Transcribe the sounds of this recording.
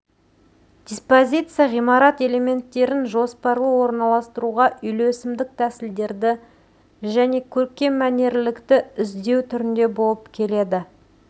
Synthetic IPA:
d̪̥ʲispozʲit̪sɨjaʁijmɑɾɑt̪e̞lʲe̞me̞nt̪ːe̞ɾɪnʒo̞spɑɾlˠəwo̞ɾnɑlˠɑst̪əɾuʁɑʔʏjlesɪmd̪ɪk̚t̪ʰæsɪld̪e̞ɾd̪ɪ | ʒæne̞kʲʰɵɾkʲːe̞mːæne̞ɾlɪkt̪ɪʏzd̪e̞wt̪ʰʏɾɪnd̪e̞bo̞lˠəpkʲʰe̞le̞d̪ɪ

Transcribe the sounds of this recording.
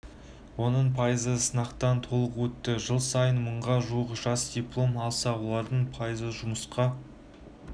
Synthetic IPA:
wo̞nəɴpʰɑjəzəsənɑqt̪ɑnt̪ʰo̞lˠəqwɵt̪ːɪʒəlˠsɑjənməɴʁɑʒuəqʒ̥ɑsd̪̥ʲiplˠo̞mɑlˠsɑwo̞lˠɑɾd̪əɴpʰɑjəzəʒʊməsqɑ

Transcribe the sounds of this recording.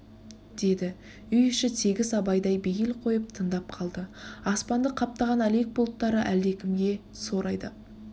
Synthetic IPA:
d̪̥e̞d̪ɪ | ʏjʏʃɪt̪ʰeɡʲɪzɑbɑjd̪ɑjbejʲɪlqʰo̞jəp̚t̪ʰənd̪ɑp̚qʰɑlˠd̪əɑspɑnd̪əqʰɑp̚t̪ɑʁɑnælek̚bʊlˠət̪ːɑɾəʔæld̪e̞kʲɪmɡʲe̞ | so̞ɾɑjd̪ə

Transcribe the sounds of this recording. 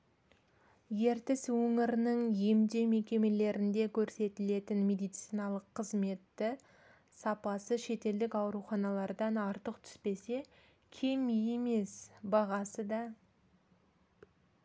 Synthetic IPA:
je̞ɾt̪ɪswɵŋɪɾɪnɪŋje̞md̪e̞wme̞kʲe̞me̞le̞ɾɪnd̪e̞kʲʰɵɾse̞t̪ɪle̞t̪ɪnmʲe̞d̪ijt̪sijnɑlˠəqʰːəzme̞t̪ːɪ | sɑpɑsəʃe̞t̪e̞ld̪ɪkɑwɾuχɑnɑlˠɑɾd̪ɑnɑɾt̪əqt̪ʰʏ̥spe̞se̞ | kʲʰe̞mije̞me̞sbɑʁɑsəd̪ɑ

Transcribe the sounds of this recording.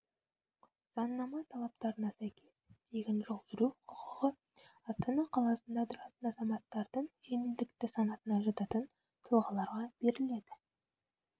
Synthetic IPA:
z̥ɑnːɑmɑt̪ʰɑlˠɑpt̪ɑɾənɑsæjkʲʰe̞sd̪̥e̞ɡʲɪnʒolˠd̪ɪɾuqʰʊqʰʊʁə | ɑst̪ɑnɑqʰɑlˠɑsənd̪ɑd̪əɾɑt̪ənɑzɑmɑt̪ːɑɾd̪əɴenɪld̪ɪkt̪ɪsɑnɑt̪ənɑʒɑt̪ɑt̪ən | t̪ʰəlˠʁɑlˠɑɾʁɑb̥e̞ɾɪle̞d̪̥ɪ

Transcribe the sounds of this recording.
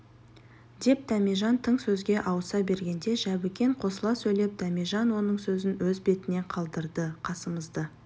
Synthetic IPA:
d̪e̞p̚d̪æmijʒɑnt̪ʰəɴsɵzɡʲe̞ʔɑwəsɑbe̞ɾɡʲe̞nd̪e̞ʒæbɪkʲe̞ɴqʰo̞səlˠɑsɵjle̞p̚d̪̥æmijʒɑnwo̞nəɴsɵzɪnwɵzbe̞t̪ɪne̞ɴqʰɑlˠd̪əɾd̪əqʰɑsəməzd̪ə

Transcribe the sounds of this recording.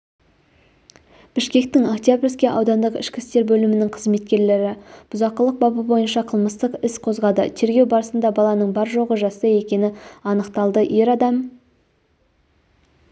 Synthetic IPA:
b̥ɪʃkʲe̞k̚t̪ɪŋokt̪jabɾɪskʲe̞ʔɑ̰wd̪ɑnd̪əqɪ̰ʃkʲɪst̪e̞ɾbɵlɪmɪnɪŋqʰəzme̞t̪̚kʲe̞ɾle̞ɾɪb̥ʊzɑqːəlˠəq̚bɑbəbo̞jənʃɑqʰəlˠməst̪əqɪsqʰo̞zʁɑd̪ə̰t̪ʰe̞ɾɡʲe̞wbɑɾəsənd̪ɑbɑlˠɑnəɴbɑɾʒo̞ʁəʒɑsəe̞kʲe̞nɪɑnəqt̪ɑlˠd̪əʔe̞ɾɑd̪ɑm

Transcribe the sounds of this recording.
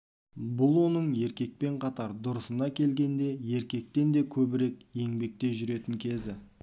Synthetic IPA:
bʊlˠwo̞nəɴje̞ɾkʲe̞k̚pe̞ɴqʰɑt̪ɑɾd̪ʊɾəsənɑkʲʰe̞lɡʲe̞nd̪e̞je̞ɾkʲe̞k̚t̪e̞nd̪e̞kʲʰɵbɪɾe̞kje̞ŋbe̞k̚t̪e̞ʒʏɾe̞t̪ɪŋkʲʰe̞zɪ

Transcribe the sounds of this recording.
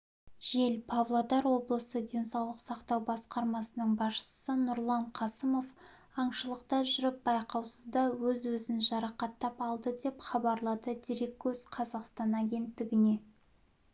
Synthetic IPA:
ʒ̥e̞lpʰavlˠad̪ɑɾwo̞blˠəsəd̪ʲe̞nsɑwlˠəqsɑqt̪ɑwbɑsqɑɾmɑsənəɴbɑsʃə̥sənʊɾlˠɑɴqʰɑsəmo̞f | ɑɴʃəlˠəqt̪ɑʒʏɾɪp̚bɑjqɑwsəzd̪ɑwɵzwɵzɪnʒɑɾɑqɑt̪ːɑpɑlˠd̪əd̪e̞pχɑbɑɾlˠɑd̪əd̪eɾe̞kʲʰːɵz̥qʰɑzɑqst̪ɑnaɡʲe̞nt̪ːɪɡʲɪne̞

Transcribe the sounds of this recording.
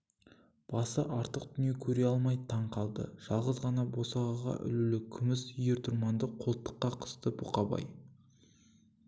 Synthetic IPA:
b̥ɑsəʔɑɾt̪əq̚d̪ʏnijekʲʰɵɾe̞ɑlˠmɑj̪t̪ʰːɑɴqʰɑlˠd̪ə̰ʒ̥ɑlˠʁəzʁɑnɑbo̞sɑʁɑʁɑ̰ʔʏ̰lulɪkʲʰʏmɪsʏjɪɾt̪ʰʊɾmɑnd̪əqʰolˠt̪ʰːə̥qːɑqʰə̥st̪əbʊqɑbɑ̰j

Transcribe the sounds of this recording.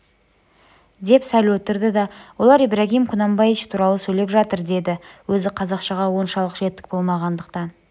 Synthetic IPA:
d̪e̞psælwɵt̪əɾd̪əd̪ɑwo̞lˠɑɾibɾaɡʲijmkʰʊnɑmbɑjet͡ʃt̪ʰuɾɑlˠəsɵjle̞pʒɑt̪əɾd̪e̞d̪ɪwɵzɪqʰɑzɑqʃɑʁɑwo̞nʃɑlˠəqʒe̞t̪ːɪ̥k̚bo̞lˠmɑʁɑnd̪əqt̪ɑn

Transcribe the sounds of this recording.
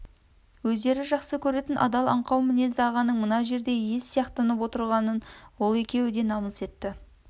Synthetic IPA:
wɵzd̪e̞ɾɪʒɑqsəkʲʰɵɾe̞t̪ɪnʔɑ̰d̪ɑlˠɑɴqɑwmɪnenzɑʁɑnəɴmənɑʒe̞ɾd̪e̞je̞sijɑqt̪əənəp̬wo̞t̪əɾʁɑnənwo̞lˠe̞kʲe̞wɪd̪e̞nɑlˠəməse̞t̪ːɪ

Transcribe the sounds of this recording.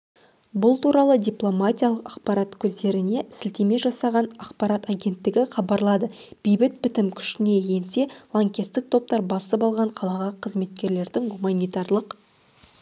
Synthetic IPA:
bʊlˠt̪ʰuɾɑlˠəd̪ʲijplˠo̞matʲijɑlˠəqɑqpɑɾat̪kʲʰʏzd̪e̞ɾɪne̞sɪlt̪e̞me̞ʒɑsɑʁɑnɑqpɑɾat̪aɡʲe̞nt̪ːɪɡʲɪχɑbɑɾlˠɑd̪əb̥ijbɪt̪̚bɪt̪ɪmkʲʰʏ̥ʃɪne̞je̞nse̞lˠoŋkʲist̪ɪk̚t̪ʰo̞p̚t̪ɑɾbɑst̪əpɑlˠʁɑɴqʰɑlˠɑʁɑqʰːəzme̞t̪kʲe̞ɾle̞ɾd̪ɪŋɡumanʲijt̪ɑrlˠəq

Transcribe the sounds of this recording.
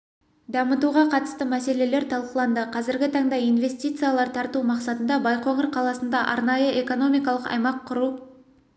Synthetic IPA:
d̪ɑmət̪uʁɑqʰɑt̪ə̥st̪əmæse̞le̞le̞ɾt̪ʰɑlˠqəlˠɑnd̪əqʰɑzɪɾɡʲɪt̪ʰɑɴd̪ɑinve̞sʲt̪ʲijt̪sɨjalˠɑɾt̪ʰɑɾt̪umɑqsɑt̪ənd̪ɑbɑjqoŋəɾqʰɑlˠɑsənd̪ɑʔɑ̰ɾnɑjəʔe̞ko̞no̞mijkɑlˠəqɑ̰jmɑqʰːʊɾu

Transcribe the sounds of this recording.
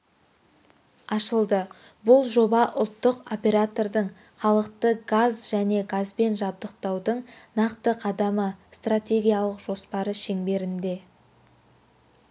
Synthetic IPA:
ɑʃəlˠd̪ə | bʊlˠʒo̞bɑʔʊlˠt̪ːəqo̞pʲe̞ɾat̪o̞rd̪əɴ | χɑlˠəqt̪əɡazʒ̥æne̞ɡazbe̞nʒɑb̚d̪əq̚t̪ɑwd̪əɴnɑqt̪əqʰɑd̪ɑməst̪rat̪ʲe̞ɡʲijalˠəqʒo̞spɑɾəʃe̞ŋbe̞ɾɪnd̪e̞

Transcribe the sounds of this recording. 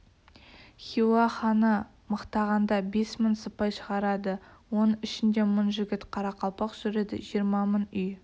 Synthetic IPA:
χʲiwɑχɑnə | məqt̪ɑʁɑnd̪ɑbesmənsəpɑjʃəʁɑɾɑd̪əwo̞nəɪʃɪnd̪e̞mənʒɪɡʲɪt̪qʰɑɾɑqʰɑlˠpɑqʒ̥ʏɾe̞d̪ɪ̰ʒijəɾmɑmənʏj

